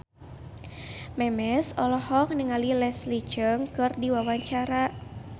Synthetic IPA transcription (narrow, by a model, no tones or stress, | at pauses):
mɛmɛsɔlɔhɔk̚nəŋalilɛslit͡ʃəŋkɨrdiwawaɲt͡ʃaɾa